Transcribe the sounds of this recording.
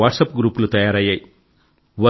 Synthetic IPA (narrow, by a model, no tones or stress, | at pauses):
aːʈsɐpɡɾuːplut̪ɐjaːɾɐjːɐj | ʋɐ